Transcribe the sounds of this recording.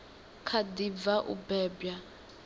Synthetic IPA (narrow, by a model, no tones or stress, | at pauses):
kʰadib̪vaʔṵbɛːbja